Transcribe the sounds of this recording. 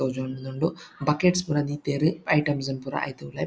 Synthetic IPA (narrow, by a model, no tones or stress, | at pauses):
oːd͡ʒoɳunuɳɖubɐkeːʈspuɾɐd̪it̪eːɾɨɐjʈɐmzɐmpuɾa̰ʔɐ̰jt̪ɐulɐ